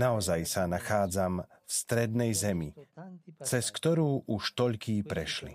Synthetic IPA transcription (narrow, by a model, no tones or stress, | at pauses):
naɔzajsanaxaːd͡zam | fst̪ɾɛd̪nɛjzɛmi | t͡sɛskt̪ɔɾuːʔuʃt̪ɔʎkiːpɾɛʃlḭ